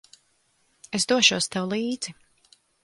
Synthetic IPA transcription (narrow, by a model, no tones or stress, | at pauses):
esd̪uɔʃuɔst̪awulˠiːd̪z̥i